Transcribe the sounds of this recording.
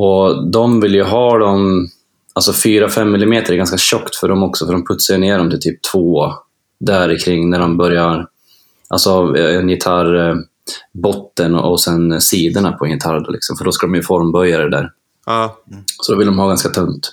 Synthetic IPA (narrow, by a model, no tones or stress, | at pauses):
ɔd̪ɔmvɪljɵɦɑːd̪ɔm | alsɔfyːɾafɛmːɪlɪmeːt̪əɾɛɡanskaɕɔkt̪fœɖɔmɔksɔfœɖɔmpʰɵt̪sajəneːɖɔmt̪ʰɪlt̪ʰyːp̚t̪ʰvoː | d̪æɾɪkʰɾɪŋːnæɖɔmbœɾjaɾ | ʔa̰lsɔɛnjɪt̪ʰaɾ | bɔt̪ːənʔɔsɛnsiːd̪ənapʰɔɛnjɪt̪ʰaɾd̪ɔ̰lɪ̰ksɔmfœɖɔskad̪ɔmjɵfɔɾmbœjad̪ɛd̪æ̰ːɾ | sɔd̪ɔvɪld̪ɔmhɑːɡanskat̪ʰɵnt̪